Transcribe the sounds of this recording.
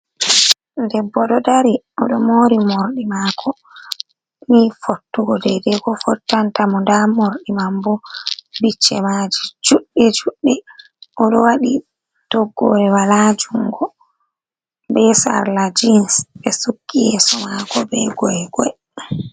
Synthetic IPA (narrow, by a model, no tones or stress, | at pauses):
ndɛbːɔɗɔdaɾi | ɔɗɔmoɾimoɾɗimakʰɔ | mifotːuɡɔdɛdɛɡɔfɔtːantamɔndamoɾɗimambɔbit͡ʃːɛmad͡ʒid͡ʒuɗːɛd͡ʒuɗːɛ | ʔɔɗɔwaɗi | tɔɡːɔ̰ɾɛwalad͡ʒuŋɡɔ | bɛsa̰ɾlad͡ʒinsɓɛsukːijɛsɔmakɔbɛɡɔɛɡɔɛ